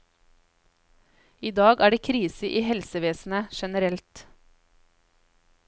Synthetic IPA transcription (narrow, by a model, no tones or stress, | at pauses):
iːd̪ɑːɡæːɖeːkʰɾiːsəʔiːhɛlsəʋeːsn̩əʃɛnəɾɛlt̪